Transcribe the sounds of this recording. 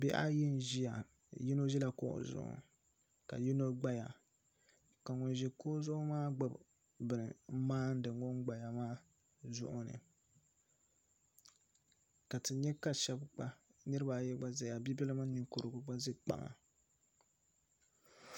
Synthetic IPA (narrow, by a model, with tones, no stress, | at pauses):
bɛ˦ʔa̰˦ji˦n˦ʒi˦ja˨ | ji˦no˦ʒi˦la˨kʊ˦ʔʊ̰˨zʊ̰˨ʔʊ̰˨ | ka̰˨ji˦no˦ɡ͡ba˦ja˨ | ka˨ŋɔ˨nʒi˨kʊ˦zʊ˦ʔʊ˦maː˦ɡ͡ba˦˨b | bɨ˨nɨ˨˦maː˦n̩˦dɨ˨ŋ˦ɡo˦ŋɡ͡ba˨ja˨maː˦ | zʊ̰˦ʔʊ˦nɨ̰˨ | ka˨tɨ˨ɲɛ˦ka˦ʃɛ˦bk͡pa˨nɨ˦ɾɨ˦ba˨jɛ˦ɡ͡ba˦za˨ja˨bi˦bɛ˦lɨ˦ma˦nɨ˨ŋkʊ˨ɾɨ˨ɡʊ˨ɡ͡ba˦zɨ˦k͡pa̰˨ma̰˨